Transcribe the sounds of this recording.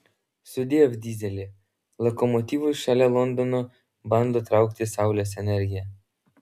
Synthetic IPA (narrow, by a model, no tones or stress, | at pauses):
sʊd̪ʲijɛvd̪ʲiːzʲɛlʲe | lˠɔkɔmɔt̪ʲivʊʃalʲɛlˠɔnd̪ɔnɔ | band̪ɔt̪ɾawkt̪ʲɪsawlʲɛsɛnʲɛɾʲɡʲijɛ